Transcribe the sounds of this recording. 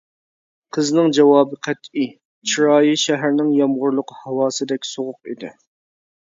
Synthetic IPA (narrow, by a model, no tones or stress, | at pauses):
qʰəznɪŋd͡ʒɛwɑːbɨqʰæt̪ʰi | t͡ʃʰiɾɑːjiʃæɦæɾnɪŋjɑmʁʊɾlˠʊqhɑwɑːsɨd̪ɛkʲsoʁʊq̚ḭd̪ɪ̰